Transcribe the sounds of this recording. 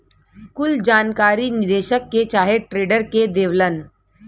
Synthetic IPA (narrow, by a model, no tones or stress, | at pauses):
kʊld͡ʒaːnkaːɾinɪd̪eːʃəkːet͡ʃaːɦeʈɾeːɖəɾked̪eːʋlən